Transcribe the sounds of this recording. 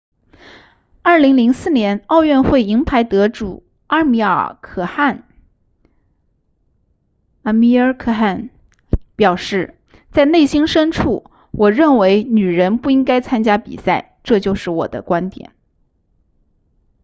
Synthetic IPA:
ɐ˞˥˩li˧˥ŋli˧˥ŋsɹ̩˥˩njɛ˧˥nɑ˥˧ʊɥɛ˥˧nxwe˥˩ɪi˧˥ŋpʰa˧˥ɪt̪ɤ˧˥ʈ͡ʂṵ˨˩ | a˥mi˧˥ə̰˞˩kʰɤ˨˩xa˥˩n | ə˧˥˩mi˧˥ə˞˧˥kʰɤ˥˩xa˥˩n | pjɑ˨˩ʊʂɻ̩˥˩ | t͡sa˥˧ɪne˥˩ɪɕi˥nʂə˥nʈ͡ʂʰu˥˩ | wɔ˨˩ɻə˥˩nwe˧˥ɪny˨˩ɻə˧˥npu˥˩i˥ŋka˥ɪt͡sʰa˥nt͡ɕja˥pḭ˨˩sa˥˩ɪʈ͡ʂɤ˥˧t͡ɕjo˥˧ʊʂɻ̩˥˩wɔ̰˨˩d̪ə̰˦kwa˥nt̪jɛ̰˨˩˦n

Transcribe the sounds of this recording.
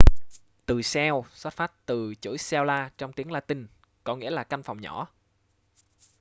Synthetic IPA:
t̪ɨ˨˩sɛ˧wswa˦˥t̚faː˦˥t̚t̪ɨ˨˩t͡ɕṵ˧˦jsɛ˧wlaː˧t͡ɕɔ˧wŋ͡mt̪i˨˦əŋlaː˧˩t̪ï˧˨˩ŋ | kɔ˨˦ŋḭ˧˥əlaː˨˩ka˧jŋ̟fa˨˩wŋ͡mɲɔ˧˩˥

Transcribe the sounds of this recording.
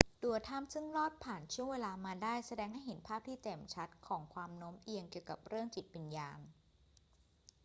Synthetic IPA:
du˨˩ət̪ʰaː˥˩msɯ˥˩ŋlɔː˥˩t̪̚pʰaː˨˩nt͡ɕʰu˥˩əŋweː˧laː˧maː˧daː˥˩jsa˧dɛː˧ŋha˥˩jɦe˩˦npʰaː˥˩p̚t̪ʰiː˥˩t̪e˨˩mt͡ɕʰa˦˥t̪̚kʰɔː˩˦ŋkʰwaː˧mno˦˥mʔi˧əŋki˨˩əwka˨˩p̚ɾɯ˥˩əŋt͡ɕi˨˩t̪̚wi˧njaː˧ŋ

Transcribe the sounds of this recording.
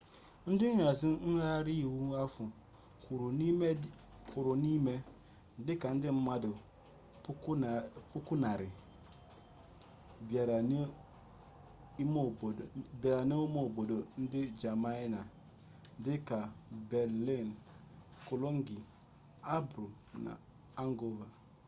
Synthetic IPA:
n̩˦dɪ˦n̩˦a˨zi˦n̩˦a˦ɾi˦˨wu˦a˦fu˨ | k | ku˨ɾo˨ni˦me˦ | n̩˦dɪ˦ka˨n̩˦dɪ˦m̩˦ma˦dʊ˨ | ppu˦ku˦na˨ɾɪ˨ | bja˨ɾa˨n˦ | mo˦˨bba˨ɾa˨ni˦o˦mo˦˨bo˨do˨n̩˦dɪ˦d͡ʒa˨ma˦i˦na˨ | n˦dɪ˦ka˨bɛ˨ɾli˦˨n | ko˨lo˦ŋ˦ɡi˨ | a˦bɾu˨ | na̰˨ | a˦ŋ˦ɡo˦va˨

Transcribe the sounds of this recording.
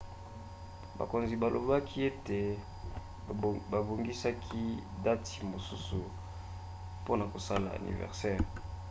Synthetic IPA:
ba̰˨ko˨nzi˨ba˨lo̰˨ba˦kʰi˦e˦te˨ | ba˨bo˨ŋɡi˦sa˦kʰi˦da˦ti̥˨mo˨su˦su˨ | po˦na˨ko˨sa˦la̰˨a̰˨nḭ˨vɛ̰˨ʁsɛ˦ʁ

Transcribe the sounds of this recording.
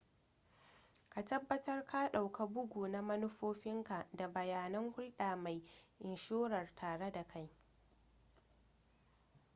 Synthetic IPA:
ka˨tɐ˦bːɐ˦tɐ˦rkʰa˦ɗa˨wka˨bʊ˦ɡʷuː˨na˦mɐ˦nʊ˦ɸoː˦ɸɪ˦ŋka˨da˨bɐ˨jaː˨nɐ˦ŋhʊ˦lɗaː˨ma˨jʔɪ˨nʃoː˦ɽɐ˨rtʰaː˨ɽe˦da˨kʰa˦j

